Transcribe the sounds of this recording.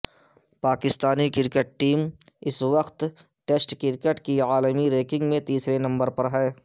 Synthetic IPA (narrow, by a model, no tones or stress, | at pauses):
paːkɪst̪aːnikɪɾkəʈ̚ʈiːmɪsʋɐqt̪ʈeːsʈkɪɾkeʈkiaːləmiɾeːkɪ̃ŋɡmẽt̪iːsɾenɐ̃mbəɾpɐɾɦɛː